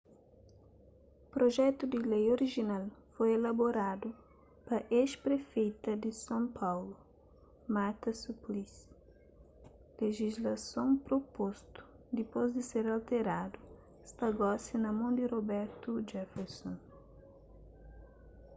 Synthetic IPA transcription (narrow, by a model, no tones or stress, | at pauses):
pɾoʒɛt̪ud̪ilejoɾiʒinalfojelɐboɾad̪u | pɐʔeʃpɾefejt̪ɐd̪isɐ̃m̃pʰawlu | maɾt̪ɐsuplis | leʒizlɐsõw̃pɾopost̪u̥ | d̪ipozd̪iseɾalt̪eɾad̪u | st̪ɐɡɔsinɐmõnd̪irobɛɾt̪ud͡ʒɛfɛɾsõn